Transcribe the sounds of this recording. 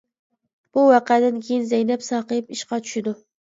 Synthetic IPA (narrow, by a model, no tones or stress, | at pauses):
b̥ʊwɑqʰad̪ankʲʰejɪnzajnapsɑqɨjɪpɪʃqɑt͡ʃ̪ʰʊ̥ʃɪd̪ʊ